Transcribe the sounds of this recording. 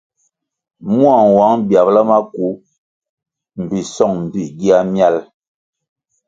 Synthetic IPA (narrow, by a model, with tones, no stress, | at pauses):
mu˦a˨ŋwa˨˦ŋbja˨bla˦ma˦ku˨˦ | m̩˨bi˨sɔ˦˨ŋm̩˨bi˦˨ɡi˦a˦mja˦l